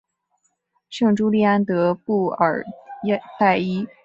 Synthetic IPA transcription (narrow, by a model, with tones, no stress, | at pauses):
ʂɤ˥˩ŋʈ͡ʂu˥li˥˩a˥nt̪ɤ˧˥pu˥˩ə̰˨˩˥ | ta˥˩ɪi˥